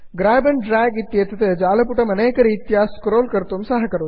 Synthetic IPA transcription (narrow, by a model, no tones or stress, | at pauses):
ɡɾaːbɐnɖɾaːɡit̪jeːt̪ɐt̪ɐd͡ʒaːlɐpuʈɐmɐneːkɐɾiːt̪jaːskɾoːlkɐɾt̪umsɐɦɐkɐɾo